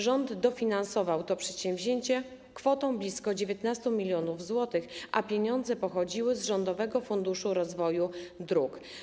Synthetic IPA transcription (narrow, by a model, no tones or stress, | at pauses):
ʐɔnd̪ːɔfʲinansɔvawt̪ɔpʂɛt̪ɕɛ̃w̃vʲʑeɲt͡ɕɛ | kfɔt̪ɔ̃w̃blʲiskɔd͡ʑevʲjet̪nast̪umʲilʲjɔnuvzwɔt̪ɘxʔapʲjeɲɔnd̪zɛpɔxɔd͡ʑiwɘzʐɔnd̪ɔvɛɡɔfund̪uʂuɾɔzvɔjud̪ɾuk